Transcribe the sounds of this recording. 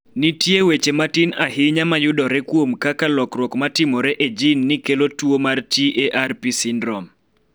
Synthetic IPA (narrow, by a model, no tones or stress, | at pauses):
nitjewet͡ʃematɪnaɦɪɲamajʊdɔɾekwomkakalɔkɾwɔkmatɪmɔɾeʔed͡ʒinːɪkelotwomartieʔarpisindɾɔm